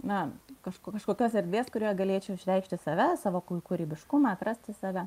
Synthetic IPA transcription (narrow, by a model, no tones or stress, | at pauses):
nɐkɐʃkokɐʃkoːkʲoːsɛɾʲd̪ʲʋʲeːskʊɾʲiːɡɐlʲeːt͡ʃʲɛʊɪʃʲɾʲɛɪkʃʲt̪ʲɪsɑːʋʲɛsɑːʋoːkʊkʊɾʲiːbʲɪʃkʊmɑːɐt̪ɾɐsʲt̪ʲɪsɑːʋʲɛ